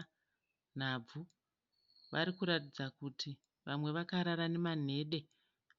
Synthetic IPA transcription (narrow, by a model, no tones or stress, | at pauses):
n̤ab͡vu | ʋaɾikuɾatid͡zakutʰi | ʋamwe̞ʋakaɾaɾane̞man̤e̞ːɗe̞